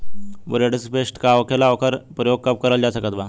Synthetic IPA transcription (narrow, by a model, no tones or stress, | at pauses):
ʋṵɾaʈisipeʂʈkaʋkʰelaʋkəɾpɾəjoɡ̚kəp̚kəɾəld͡ʑasəkət̪ba